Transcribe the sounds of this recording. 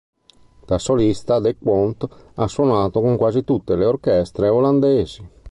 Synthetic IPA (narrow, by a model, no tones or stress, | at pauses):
t̪asolist̪ad̪ekwont̪asːwonaːt̪okoŋkwaːzit̪ut̪ːeleorkɛst̪ɾeoland̪eːzi